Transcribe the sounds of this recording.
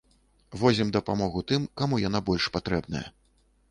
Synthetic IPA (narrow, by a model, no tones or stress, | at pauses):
vɔzʲimd̪ɐpamɔɣut̪ɨmkamujanabɔlʲʂpat̪ɾɛbnɐ̰jɐ̰